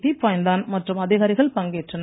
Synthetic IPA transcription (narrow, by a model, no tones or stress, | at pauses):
ðiːpaːjnd̪aːnmɐʈrɯmɐðɪɣaːɾɪɣɐɭpɐŋɡeːʈrɐn